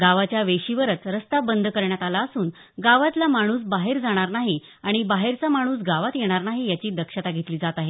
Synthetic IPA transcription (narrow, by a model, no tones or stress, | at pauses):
ɡaʋat͡ɕjaʋeɕiʋəɾət͡sɾəst̪abənd̪kəɾɳjat̪alaəsuːn | ɡaʋat̪lamaɽ̃uːs̬baɦeɾd͡zaɽ̃aɾnaɦi | aɽ̃ibaɦeɾt͡samaɽ̃uːsɡaʋat̪jeɽ̃aɾnaɦijat͡ɕiːd̪əkʂət̪aɡʱet̪liːd͡zat̪aɦe